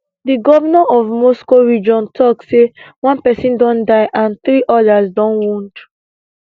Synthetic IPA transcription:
diɡɔvanãʔɔvmoskoɹid͡ʒɔ̃ntʰɔksewɔ̃npɛsĩndɔ̃ndaɪʔãnθɹiʔɔdasdɔ̃nwũnd

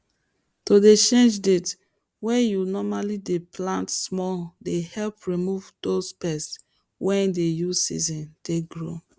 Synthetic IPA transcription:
todet͡ʃẽnd͡ʒdet | wɛ̃junɔmalideplãntsmɔdehɛlpɹimuvdospɛs | wʔɛ̃ndejusḭzɔ̃ndeɡɹo̰

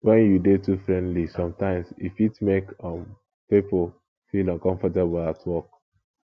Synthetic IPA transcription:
wɛ̃njudetufɹɛ̃ndlisɔ̃mtãɪ̃msifitmekɔ̃m | pepo | filɔ̃nkɔ̃ɱfɔteblatʰwɔk̚

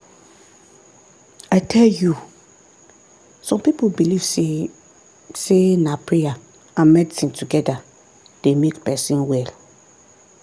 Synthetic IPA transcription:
ajtʰɛlju | sɔ̃mpipolbiliv | senapʰɹija | ãmɛdtĩŋtʰuɡɛda | d̥emekpɛsĩnwɛl

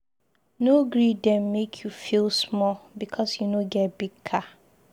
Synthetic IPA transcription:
noɡɹidɛ̃mːekʰjufilˠsmɔlbikʰɔsjunoɡɛtbiɡ̚kʰa

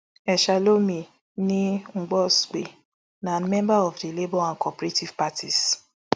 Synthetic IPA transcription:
ɛʃalomĩ | nĩŋ͡m̩ɡ͡bɔsk͡pe | nãnmɛ̃mbaɔvdilebɔãnkʰɔpɾetivpatʰis

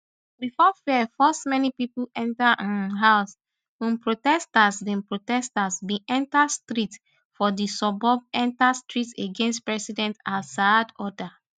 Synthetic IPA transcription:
bifɔfiɛfɔstmɛnipipulʔɛ̃ntaʔãnɦaʊs | hũnpɹotɛstasbĩnpɹotɛstasbĩʔɛ̃ntastɹit | fɔdisɔbɔvɛ̃ntastɹiteɡẽnstpɹɛsidɛ̃ntasadɔda

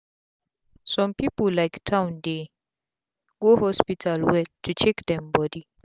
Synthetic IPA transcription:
sɔ̃mpipullːajktʰãw̃nde | ɡohɔspitʰalwɛtʰːut͡ʃɛkdɛ̃mbɔdi

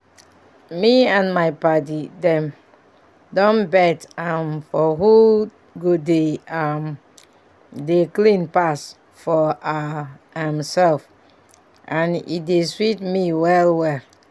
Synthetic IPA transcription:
miãnmaɪpat̬idɛ̃m | dɔ̃nbɛtamfɔɦu | ɡodeam | deklĩnpas | fɔa | hɛ̃msɛlf | ʔãnḭdeswitmiwɛlwɛl

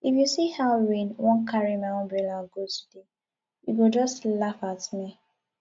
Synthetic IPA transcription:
ifjusihaʊɹĩnwɔ̃nkʰaɹimawɔ̃bɛlaɡotde | jṵɡod͡ʒɔstlafatmi

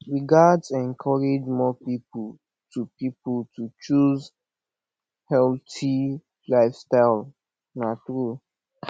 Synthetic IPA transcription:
ɹiɡadsɛ̃ŋkʰɔɹed͡ʒmɔpipul | tupipultʰut͡ʃuz | hɛlti | laɪfstaɪl | natɾu

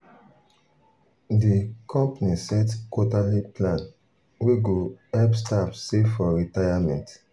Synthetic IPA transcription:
dikʰɔ̃mpanisɛtkotaliplãn | weɡoɛpstapseffɔɹitajamɛ̃nt

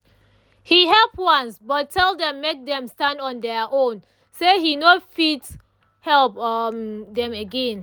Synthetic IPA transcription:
hiɦɛlpwãnsbɔtʰːɛldɛ̃mːek̚dɛ̃mstãndɔ̃ndɛʔõn | sehinofits | hɛlp | dɛ̃məɡɛ̃n

